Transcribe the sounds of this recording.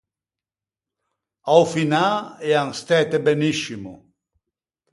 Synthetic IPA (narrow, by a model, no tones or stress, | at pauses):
awfinaɛaŋst̪ɛt̪ebeniʃimʊ̰